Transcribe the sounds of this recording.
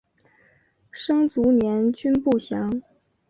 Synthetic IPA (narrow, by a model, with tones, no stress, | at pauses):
ʂɤ˥ŋt͡su˧˥njɛ˧˥nt͡ɕy˥npu˥˩ɕjɑ˧˥ŋ